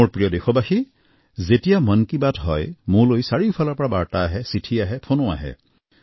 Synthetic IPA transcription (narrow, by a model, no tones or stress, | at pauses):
oɹpɹijɔdexɔbaxi | zetijamənkibadɦɔjmʊɹlojsaɹiupʰalɔɹpɔɹabaɹtaːɦɛsitʰiaɦɛpʰonoa̰ɦɛ̰